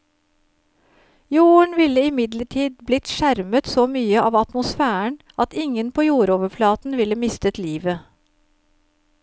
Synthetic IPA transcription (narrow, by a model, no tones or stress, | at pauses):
juːəɳʋɪləɪmɪd̪ləʈʰiːd̪blɪt̪ʃæɾmət̪soːmyːəʔɑːʋɑt̪mʊsfæːəɳ | ʔɑt̪ɪŋənpʰoːjuːɾoːʋəflɑːt̪n̩ʋɪləmɪst̪ət̪liːʋə